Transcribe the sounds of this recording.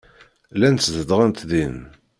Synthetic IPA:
lænt̪sðəd̪ʁænt̪ðin

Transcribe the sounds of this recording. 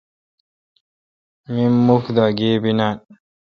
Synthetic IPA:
mimːukd̪aɡeːbinan

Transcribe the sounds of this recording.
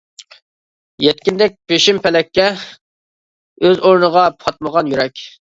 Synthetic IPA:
jɛt̪̚kʲind̪ɛk̚ʲpeʃimpʰɛlɛkʲʰːɛ | øzoɾnəʁɑpʰɑt̪̚məʁɑnjyɾɛkʲ

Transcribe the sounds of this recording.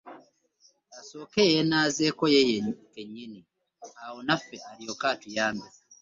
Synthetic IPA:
aso̞ːkejenaːzekojekeɲːini | awonafeʔaɾijokaːtujaːndiza

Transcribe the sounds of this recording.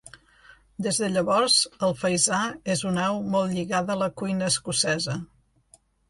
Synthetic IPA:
d̪ezðəʎəβɔɾz̥əlˠfəjzaezunɛwmɔlˠʎiɣaðələkujnəːskusɛzə

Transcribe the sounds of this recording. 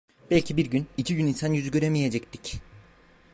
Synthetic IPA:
bɛlʲcʰibiɾɟynicʰiɟyninsanjyzyɟø̞ɾemije̞d͡ʒɛct̪i̥c

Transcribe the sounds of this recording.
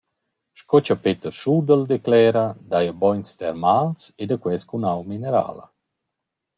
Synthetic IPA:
ʃkɔt͡ʃapet̪əɾʃud̪əld̪eklɛːɾad̪ajabɔjnst̪ɛɾmalsed̪akwɛskunawmineɾa̰ːla̰

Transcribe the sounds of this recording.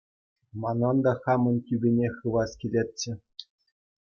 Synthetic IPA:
mɑnɤnd̪ɑχɑmɤ̆nʲtʲybʲenʲexɯʋɑskʲilʲet̪̚ʲt͡ɕɘ̆

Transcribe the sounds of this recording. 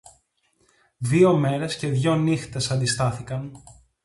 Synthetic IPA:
ðio̞me̞ɾe̞sce̞ðʝo̞nixt̪e̞sɐnd̪ist̪ɐθikɐn

